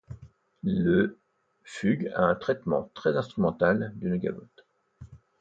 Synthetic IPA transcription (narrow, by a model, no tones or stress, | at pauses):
lə | fyɡa̰ɛ̃t̪χɛt̪mɑ̰̃t̪χɛzɛ̃st̪χymɑ̃t̪ald̪ynɡʲa̰vɔ̰t̪